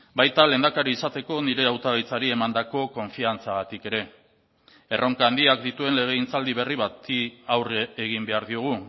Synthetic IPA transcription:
bajt̪ale̞nd̪akaɾiisat̪e̞ko̞niɾe̞awt̪aβajt͡saɾie̞mand̪ako̞ko̞ɱfiant͡saɣat̪ike̞ɾe̞ | erʔo̞ŋkaːnd̪iak̚d̪it̪ue̞nle̞ɣ̞e̞int͡sald̪iβ̞e̞riβat̪iawreeɣ̞imbe̞aɾðioɣ̞u

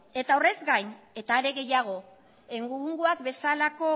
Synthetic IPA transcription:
e̞t̪aore̞zɡajne̞t̪aːɾe̞ɣe̞jaɣ̞o̞ | eŋɡuŋɡuakbe̞salako̞

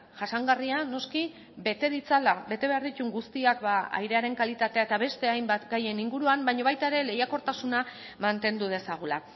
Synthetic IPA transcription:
ʝasaŋɡariano̞ski | bet̪eðit͡salabe̞t̪e̞βeaɾðit̪uŋɡust̪iakbaa̰jɾe̞aɾe̞ŋkalit̪at̪e̞aet̪aβ̞e̞st̪e̞ajmbat̪ɡaje̞niŋɡuɾuambajɲo̞β̞ajt̪aeɾe̞le̞jako̞ɾt̪asuna | mant̪e̞nd̪uð̞e̞saɣ̞ula̰

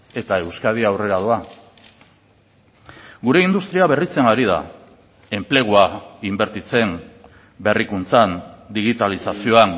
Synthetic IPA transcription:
e̞t̪ae̞wskað̞iawre̞ɾaðua | ɡuɾe̞ind̪ust̪ɾiaβe̞rit͡se̞ŋɡaɾið̞a̰ | e̞mple̞ɣ̞uaimbe̞ɾt̪it͡se̞n | be̞rikunt͡sand̪iɣit̪alisasio̞aŋ

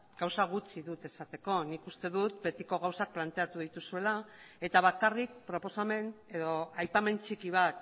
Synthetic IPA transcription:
ɡ̥awsaɣ̞ut͡siðut̪e̞sat̪e̞ko̞nikust̪e̞ðut̪be̞t̪iko̞ɣawsak̚plant̪e̞at̪uð̞it̪usue̞la | e̞t̪aβ̞akarik̚pɾo̞po̞same̞ne̞ðo̞ajpame̞nt͡ʃikiβ̞at̪

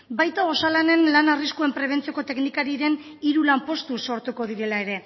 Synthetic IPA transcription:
bajt̪ao̞salane̞nlanariskue̞mpɾe̞β̞e̞nt͡sio̞ko̞t̪e̞knikaɾiɾe̞n | iɾulampo̞st̪uso̞ɾt̪uko̞ð̞iɾe̞lae̞ɾe̞

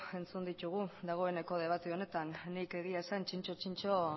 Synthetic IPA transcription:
e̞nt͡sund̪it̪uɣ̞ud̪aɣ̞o̞e̞ne̞ko̞ðeβ̞at̪eo̞ne̞t̪anːike̞ɣ̞iaesant͡ʃint͡ʃo̞t͡ʃint͡ʃo

